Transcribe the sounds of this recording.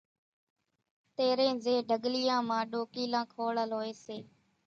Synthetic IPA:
t̪eːɾẽːzeːɖʱəɠlɪjãːmãːɗoːkiːlãːkʰoːɭəlɦoːeːseː

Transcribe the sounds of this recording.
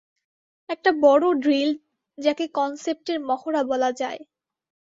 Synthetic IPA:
ɛk̚ʈabɔɽoɖɾil | d͡ʑakekɔnsep̚ʈeɾmɔxoɽabɔlad͡ʑae

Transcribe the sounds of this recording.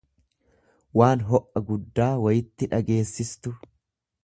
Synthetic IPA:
waːnɦɔʔɐɡʊd̪ːaːwɐjɪt̪ːɪᶑɐɡe̞ːsːɪst̪ʊ

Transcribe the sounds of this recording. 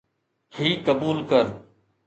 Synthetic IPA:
hʰiːkəbuːlkəɾ

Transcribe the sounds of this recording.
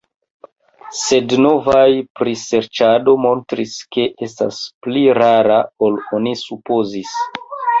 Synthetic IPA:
se̞dno̞vajpɾise̞ɾt͡ʃado̞mo̞ntɾiske̞ʔe̞sta̰spliɾaɾao̞lonisupo̞zis

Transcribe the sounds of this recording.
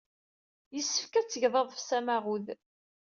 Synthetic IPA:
jəsːəfkæt͡sːəʝðˤɑðˤfsæmaʁuð

